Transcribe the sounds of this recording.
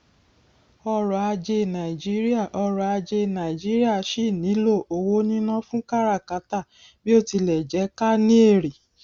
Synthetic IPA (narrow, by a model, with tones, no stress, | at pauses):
ɔ˧ɾɔ˨a˧d͡ʒe˧nã˨i˨d͡ʒi˦ɾi˦a˦˨ʔɔ˧ɾɔ˨a˧d͡ʒe˧˨nã˨i˨d͡ʒi˦ɾi˦a˦˨ʃi˦˨nĩ˨˦lo˦˨ʔo˨wo˦nĩ˦nã˦fũ˦ka˦ɾa˦˨ka˨˦ta˦˨ | bi˦o˦˨ti˧lɛ˨d͡ʒɛ˨˦ka˦nĩ˦e˦˨ɾi˨